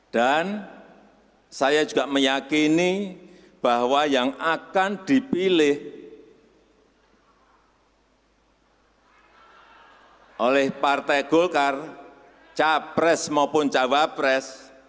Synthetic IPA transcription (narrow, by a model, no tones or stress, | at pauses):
ɖ̥an | sajad͡ʒṳɡ̥aʔməjakini | b̥ahwajaŋakand̪̥i̤pilɪh | ʔolɛhpart̪ɛɡ̥ɔlkar | t͡ʃapɾɛsmapʊnt͡ʃawapɾɛs